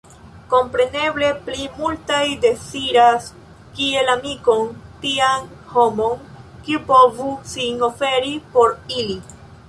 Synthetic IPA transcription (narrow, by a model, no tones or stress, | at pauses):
ko̞mpɾe̞ne̞ble̞plimultajde̞t͡siɾas | kie̞lamiko̞ntian | ho̞mo̞n | kiupo̞vusino̞fe̞ɾipo̞ɾili